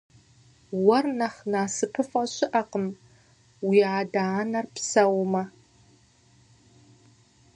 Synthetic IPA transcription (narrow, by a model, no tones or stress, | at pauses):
wɐrnɐχnaːsɨpʰɨfʼɐɕɪʔɐqəm | wiːaːdaːnɐrpsɐwmɐ